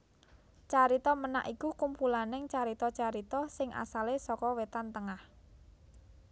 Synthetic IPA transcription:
t͡ʃaɾit̪ɔməna̰ʔikukumpulanɪŋt͡ʃaɾit̪ɔt͡ʃaɾit̪ɔsɪŋʔa̰salesɔkɔwet̪ant̪əŋah

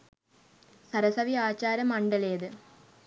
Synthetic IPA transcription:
sɐɾɐsɐʋiaːt͡ɕːaːɾɐmɐɳɖɐleːd̪ɨ

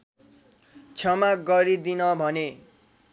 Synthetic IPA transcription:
t͡sʰʌmaɡʌɾid̪inʌbʱʌne

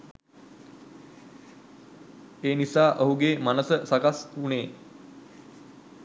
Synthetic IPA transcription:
eːnisaːʔəɦuɡeːmanəsəsakasuneː

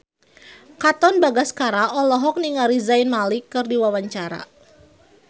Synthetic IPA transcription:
kat̪ɔnbaɡaskaɾaʔɔlɔɦɔk̚niŋaɾizajnmalikːɨrdiwawaɲt͡ʃaɾa̰

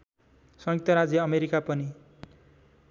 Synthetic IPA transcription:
sʌ̃ŋik̚t̪ʌɾad͡zjʌʌmeɾikapʌni

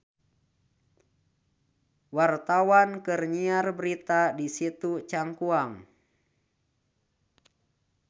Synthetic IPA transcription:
wart̪awankɨrɲiarbəɾit̪adisit̪ut͡ʃaŋkuaŋ

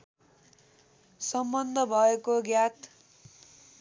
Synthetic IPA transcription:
sʌmbʌnd̪ʱʌbʱʌekoɡjat̪

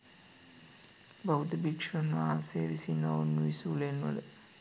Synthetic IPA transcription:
bɐɦud̪ɐbikʂɐnːuaːseːʋisinːounːuisuːlenɐ̰lɐ

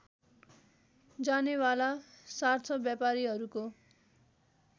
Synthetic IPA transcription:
d͡zanewalasart͡sʰʌbjapaɾiɦʌɾuko

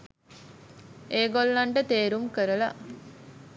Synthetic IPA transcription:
eːɡolːɐɳʈət̪eːɾumkəɾəla̰

